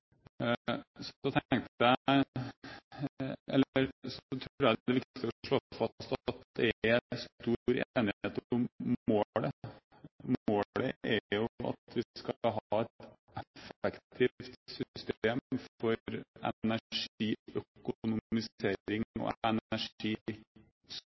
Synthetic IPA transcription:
sɔt̪ʰŋt̪əæ | ɛlːɾsɔt̪ʰɾuːɾæd̪ɛʋɪkt̪ɪ̥səɔʂɭofɑst̪ɑt̪d̪ɛst̪uːɾeːnɪhheːt̪ɔmːoːɽə | moːɽəʔæɾjʊɑ̰t̪ʰʋɪskɑɦɑːɛt̪ | ɛfəkt̪ʰift̪sʏst̪eːmfɔɾɛ̰næʂiːœkʊʊnʊmɪseːɾɪŋɔ̰næʂiː | s

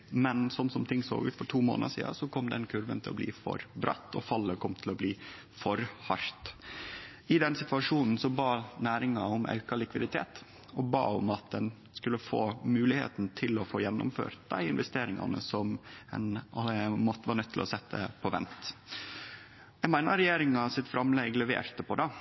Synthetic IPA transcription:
mɛnsɔmsɔmt̪ʰɪŋːso̰ːɡʉ̰ːt̪fɔʈʰuːmo̰ːnɑsḭːd̪ɑ̰sɔkʰɔmːd̪ɛnkʰʉɾʋə̰nt̪ʰɪlɔblḭːfɔ̰ɾbɾɑ̰t̪ːɔfɑlːəkʰɔmːt̪ʰɪlɔbliː | fɔɾhɑɾt̪ | ɪd̪ɛnsɪt̪ʋɑʂuːnn̩sɔbɑːnæːɾɪŋɑɔmʔɑ̰ʉkɑlɪkʋɪd̪ɪt̪ʰḛːt̪ | ɔbɑ̰ːɔmɑt̪̚d̪ɛn | skʉlːəfo̰ːmʉːlɪhḛːt̪nt̪ʰɪlɔfoːjɛnːʊ̰mfø̰ːɾt̪̚d̪æɪɪnʋɛst̪eːɾɪŋɑ̰nə̰sɔmɛn | mɔt̪ːəʋɑːnœt̪ʰːɪlɔsɛt̪ːə̰pʰɔʋɛ̰nt̪ | jæmæɪnɑɾɛjeːɾɪŋɑsɪt̪fɾɑmlɛɡlɛʋḛːɾt̪əpʰɔd̪ɑ

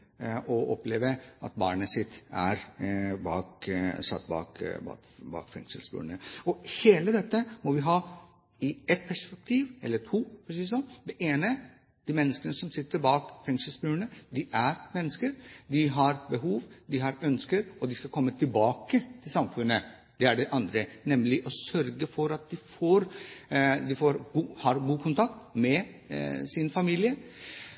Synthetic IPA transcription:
ʔɔʔɔ̰pleːʋəʔɑ̰t̪̚bɑːɳəsɪt̪ːæɾbɑ̰ːksɑ̰t̪ːbɑ̰ːkbɑ̰ | bɑ̰ːkfɛ̰ŋʂəlsbʉ̰ːɳəɔheːləd̪ɛt̪ːəmɔʋɪɦɑː | ɪɛt̪̚pʰæʂpɛk̚t̪ʰiːʋɛ̰lːəʈ̪ʰuːfɔsiːəsɔmd̪ɛʔeːnə | d̪̥iːmɛnːəskənəsɔmsɪt̪ːəɾbɑːkfɛŋʂəlsbʉːəɳəd̪ɪʔæɾmɛnːəskəɾd̪ɪɦɑɾbəɦuːʋd̪ɪɦɑɾœnskəɾɔd̪ɪskɑlkʰɔmːət̪ʰɪlbɑːkət̪ʰɪlsɑmfʉnːə | d̪̥ɛæɖɛʔɑnd̪ɾənɛmlɪʔɔsœɾɡəfɔɾɑt̪̚d̪ɪfoːɾ | d̪ɪfoːɾɡuːhɑɾɡuːkʰʊnt̪ʰɑkt̪mɛ | sɪnfɑmiːlɪə

